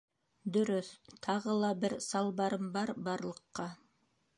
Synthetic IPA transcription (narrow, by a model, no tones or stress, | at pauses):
d̪ɵ̆ɾɵθt̪ʰɑʁɤlˠɑbɘɾsɑlˠbɑɾɤmbɑɾbɑɾlˠɤ̆qːɑ